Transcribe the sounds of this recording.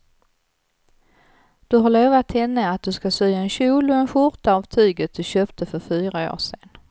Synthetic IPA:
d̪̥ɵɦaɾɭoːvat̪hɛnːəat̪̚d̪ɵskasyːaɛnɕuːlʊɛnɧʊɾt̪aɑvt̪ʰyːɡət̪̚d̪̥ɵɕøːpt̪ʰəfœɾfyːɾao̰ːʂeːn

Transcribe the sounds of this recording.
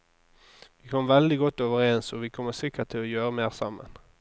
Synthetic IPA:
ʋɪːkʰɔməʋɛld̪ɪɡɔt̪ːoːʋəɾeːnsɔʋɪkʰɔmːəsɪkːət̪ʰːɪlɔjøːʁəmeːʁsɑmːə̰n

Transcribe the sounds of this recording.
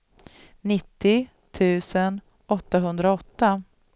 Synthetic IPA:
nɪt̪ːɪ | t̪ʰʉ̟ːsən | ɔt̪ːaɦɵnd̪ɾaɔt̪ːa

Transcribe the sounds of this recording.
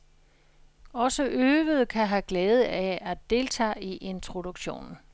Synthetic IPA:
ɒ̽səʔøːʋəð̞̩ˠkʰæɦæɡ̥lɛːð̞̩ˠæædd̥e̝lt͡sʰɛ̰ːiʔe̝nt͡sʰʁo̝doɡ̥ɕo̝̰ːnn̩

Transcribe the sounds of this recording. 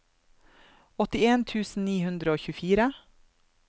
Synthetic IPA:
ɔt̪ɪeːnt̪ʰʉːsn̩niːhʉnd̪ɾəoːçʉfiːɾə

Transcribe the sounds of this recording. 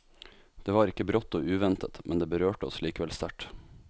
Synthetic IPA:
d̪̥eːʋɑːɾɪkːəbɾɔt̪ːoːʉːʋɛnt̪ʰət̪mʔɛnd̪eːbəɾøːʈəɔ̰sliːkəʋɛlst̪æʈ

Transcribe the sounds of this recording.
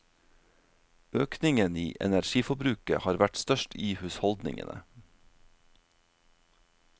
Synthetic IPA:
øːknɪŋəniːʔɛ̰næɾʃiːfɔbɾʉːkə̰hɑːɾʋæʈst̪œʃtʰiːhʉːshɔld̪nɪ̰ŋə̰nə̰

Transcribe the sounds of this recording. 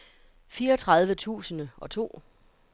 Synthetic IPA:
fiːɐɒt͡sʰʁɑ̈ð̞ˠʋət͡sʰṵːsənəɒ̽t͡sʰo̝̰ː

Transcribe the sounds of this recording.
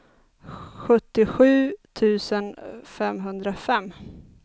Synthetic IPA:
ɧɵt̪ːɪɧʉ̟ːt̪ʰʉ̟ːsənfɛmɦɵnd̪ɾafɛmː

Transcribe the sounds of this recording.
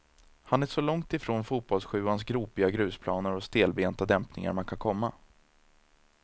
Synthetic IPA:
hanæʂɔlɔŋt̪ɪfɾoːnfuːt̪̚bɔlsɧʉ̟ːans̬ɡɾuːpɪaɡɾʉ̟ːspʰlɑːnəɾɔst̪eːlbeːnt̪ad̪ɛmpnɪ̰ŋa̰ɾmankʰankʰɔmːa

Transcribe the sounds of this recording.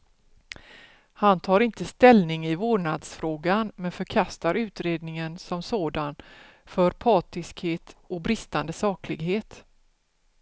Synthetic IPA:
hant̪ʰɑːɾɪnt̪əst̪ɛlnɪŋɪvoːɳad̪sfɾoːɡanmɛnfœɾkʰast̪aɾʉ̟ːt̪ɾeːd̪nɪŋənsɔmsoːd̪an | fœɾpʰɑːt̪ɪskheːt̪ɔk̚bɾɪst̪and̪əsɑːklɪɡɦeːt̪

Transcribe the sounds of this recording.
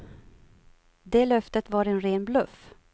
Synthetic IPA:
d̪eːlœft̪ət̪vɑːɾɛnɾeːnblɵf

